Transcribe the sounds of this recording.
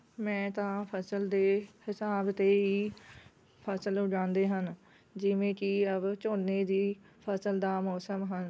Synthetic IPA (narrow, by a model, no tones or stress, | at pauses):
mɛ̃ːt̪ãːpʰəsəld̪eːhɪsaːbt̪eːɦiː | pʰəsəlʊd͡ʒãːnd̪eːɦən | d͡ʒɪʋẽːkɪəbt͡ʃoːnːeːd̪iː | pʰəsəld̪aːmɔːsəmɦən